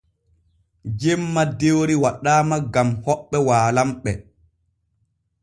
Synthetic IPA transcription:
d͡ʒɛmːadewɾiwaɗaːmaɡamhɔɓːɛwaːlamɓɛ

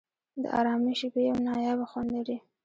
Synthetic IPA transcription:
d̪ə̰ʔɑ̰ɾɑmiʃibejawnɑjɑbaxwand̪aɽi

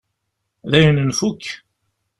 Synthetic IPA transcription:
ðæjənənfukː

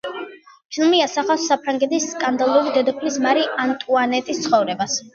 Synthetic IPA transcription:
t͡ʃʰlˠmiasaχasːapʰɾaŋɡɛt̪ʰisːkʼand̪alˠuɾid̪ɛd̪ɔpʰlismaɾiʔant̪ʼuanɛt̪ʼist̪sʰχɔvɾɛbas

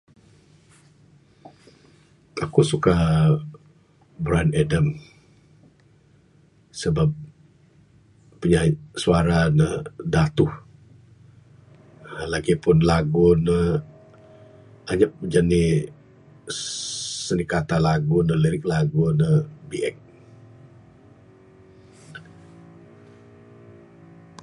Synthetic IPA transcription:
ʔakusuka | bɾanɛdəm | səbap̚ | uɲasuaɾanədat̪uh | laɡipʊnlaɡunə | aɲap̚əd͡ʒani | sənikat̪alaɡunəliɾɪk̚laɡunəbiʔɛk̚

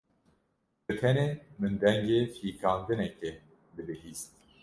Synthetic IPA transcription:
bɨt̪ʰɛnemɨnd̪ɛŋɡeːfiːkʰɑːnd̪ɨnɛkɛ | b̪ɨlɨɦiːst̪̚

